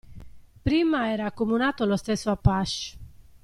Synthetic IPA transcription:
pɾimaɛːɾaːkːomunaːt̪olost̪ɛsːoapːaʃ

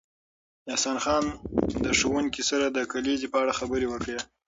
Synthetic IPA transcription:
ɑhsɑnxɑnd̪əʂowuŋkisaɾad̪əkalezipəaɽaxabəɾewəkɽe

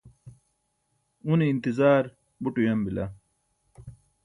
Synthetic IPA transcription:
uniːnt̪izaːɾ | buʈujɐmbila̰

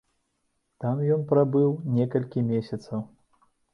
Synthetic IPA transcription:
t̪amjɔnpɾabɨwnʲɛkɐlʲkʲimʲesʲɐt̪sɐw

